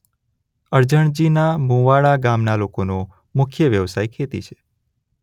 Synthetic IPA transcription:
əɾd͡ʒəɳ̃d͡ʒinamũʋaɭaɡamnalokono | mʊkʰjəʋjəʋsajkʰet̪ḭt͡ʃʰe̥

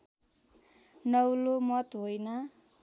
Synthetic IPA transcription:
nʌwlomʌt̪ɦojnʌ

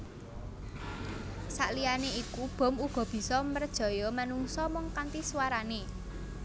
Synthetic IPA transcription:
sa̰ʔlijaneikub̥ɔ̤muɡ̥ɔ̤b̥i̤sɔmərd̥ʒ̥ɔ̤jɔmanuŋsɔmɔŋkant̪iswaɾane

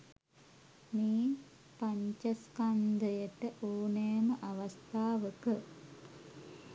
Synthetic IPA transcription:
miː | paɲt͡ʃɐskand̪əjəʈəʔoːnejməʔaʋast̪aːʋəkə

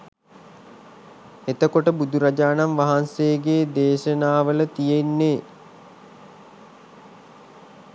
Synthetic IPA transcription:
et̪əkoʈəbud̪uɾad͡ʒaːnamʋaɦanseːɡeːd̪eːʃənaːʋələt̪ijeinːeː

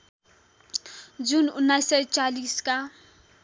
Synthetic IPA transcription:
d͡zunʊnːajsʌjt͡saliska

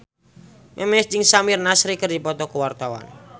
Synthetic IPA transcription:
mʔɛmɛsd͡ʒɪŋsamirnasɾikərdipɔt̪ɔkuwart̪awa̰n

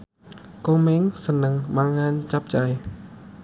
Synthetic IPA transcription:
koːmeːŋsənːɨŋɓaŋaːnt͡ɕap̚t͡ɕaj

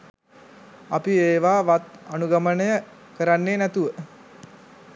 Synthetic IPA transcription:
apieːʋaːʋat̪anuɡamənəjə | kəɾanːeːnæt̪uʋə

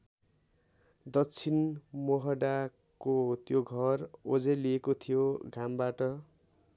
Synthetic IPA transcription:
d̪ʌkt͡sʰinmoɦʌɖa | kot̪joɡʱʌrod͡zeliekot̪ʰijoɡʱambaʈʌ

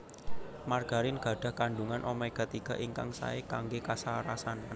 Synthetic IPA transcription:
marɡ̥a̤ɾɪnɡ̥ä̤ɖ̥a̤hkaɳɖuŋanʔɔmɛkət̪iɡ̥a̤ʔiŋka̰ŋsa̰ekaŋɡekasaɾasan

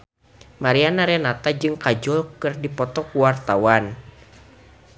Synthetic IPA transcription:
maɾianaɾɛnat̪ad͡ʒɨŋkad͡ʒɔlkɨrdipɔt̪ɔkuwart̪awan

